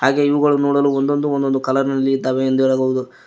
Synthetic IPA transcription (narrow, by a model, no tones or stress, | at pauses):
haːɡe̞ːiʋuɡɐɭunoːɽɐluːond̪o̞nd̪uond̪o̞nd̪ukɐlɐɾnɐlːiid̪ːaːʋeend̪uɛɾaːɡɐʋud̪u